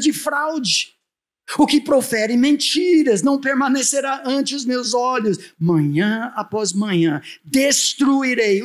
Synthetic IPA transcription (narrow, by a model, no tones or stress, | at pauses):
d͡ʒɪfɾawd͡ʒɪ | ʊkɪpɾofɛɾɪmẽt͡ʃiɾɐznɐ̃w̃peɾmɐ̃neseɾaɐ̃t͡ʃɪʊzmewzɔʎʊsmɐ̃ɲɐ̃apɔzmɐ̃ɲɐ̃d̪est̪ɾuiɾej